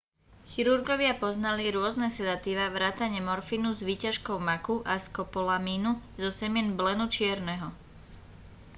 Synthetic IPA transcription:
xiɾuɾɡɔʋɪapɔznaliɾʊɔznɛsɛd̪at̪iʋaʋɾaːt̪aɲɛmɔɾfinuzʋiːcaʃkɔʊmakuʔaskɔpɔlamiːnuzɔsɛmɪɛnblɛnut͡ʃɪɛɾnɛɦɔ

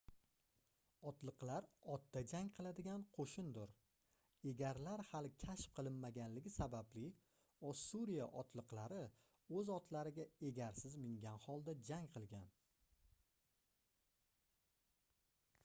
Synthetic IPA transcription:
ɒt̪lˠɨqlˠaɾɒt̪̚ːad͡ʒaŋqʰɨlˠad̪ɪɡʲanqʰoʃɪnd̪ʊɾ | e̞ɡʲaɾlaɾhalɪkʲʰaʃp̚qʰɨlˠɪnmaɡʲanlɪɡʲɪsabablɪ | ɒsːuɾijaʔɒt̪ʰlˠɨqlˠaɾɪ | ɵzɒt̪ʰlaɾɪɡʲae̞ɡʲaɾsɪzmɪŋɡʲanhɒlˠd̪ad͡ʒaŋqʰɨlˠɡʲan

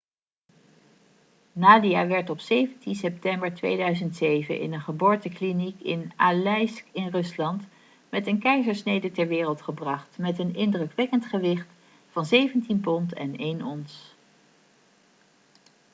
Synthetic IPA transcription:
naːdiaːʋɛɹtɔpsejvəntinsɛp̚tɛmbəɹtʋḛjdœɥzəntsejvə̰nʔɪ̰nənχəbʊːɹtəklinikɪ̰nalɛjskɪnrɵslɑnt | mɛtənkɛjzəɹsnejdətɛɹʋɪːrəlˠtχəbrɑχtmɛtənɪndrɵkʋɛkəntχəʋɪχt | fɑnzejvəntinpɔntɛ̰nejnɔns

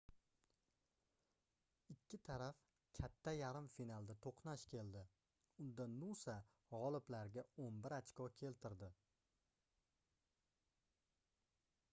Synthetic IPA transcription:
ɪkʲʰːɪt̪ʰaɾaf | kʲʰat̪ʰːajaɾɪmfinalˠd̪at̪ʰoqnaʃkʲʰe̞ld̪ɪ | ʊnd̪anːusa | ʁɒlˠɪblaɾɡʲaonbɪɾat͡ʃkɒkʲʰe̞lt̪ʰɪɾd̪ɪ

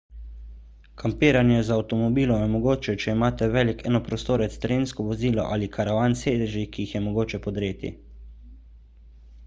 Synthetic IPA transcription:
kʰampiːɾanjɛzaːwt̪ɔmɔbiːlɔmjɛmɔɡoːt͡ʃɛt͡ʃɛimaːt̪ɛʋɛːlikɛːnɔpɾɔst̪oːɾɛt̪st̪ɾeːnskɔʋɔziːlɔ̰ʔa̰likʰaɾaʋaːnseːd̪ɛʒikiixjɛmɔɡoːt͡ʃɛpɔd̪ɾeːt̪ḭ

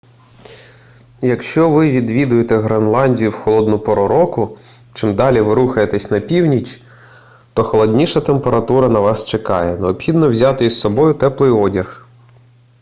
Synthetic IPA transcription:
jɐkʃt͡ʃɔʋɪʋʲid̪ʋʲid̪ʊjet̪ɛɦɾenlˠɑnʲdʲijʊwxɔlˠɔd̪nʊpɔɾɔɾɔkʊ | t͡ʃɪmd̪ɑlʲiʋɪɾuxɐjet̪ɛsʲnɐpʲiwnʲit͡ʃ | t̪ɔxɔlˠɔdʲnʲiʃɐt̪e̞mpeɾɐt̪uɾɐnɐʋɑst͡ʃekɑjɛneɔpxʲid̪nɔwzʲɑt̪ɪissɔbɔjʊt̪ɛplˠɪjɔdʲɐx

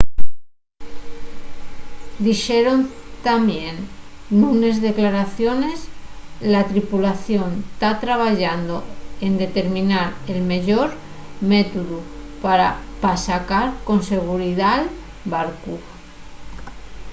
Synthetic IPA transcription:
d̪ixe̞ɾo̞nt̪amjenːune̞zðe̞klaɾaθjo̞ne̞slat̪ɾipulaθjo̞nt̪at̪ɾaβ̞aʝand̪o̞e̞nd̪e̞t̪e̞ɾmĩnaɾe̞lme̞ʎo̞ɾ | met̪uðupaɾapasakaɾko̞nse̞ɣ̞uɾiðal | baɾku

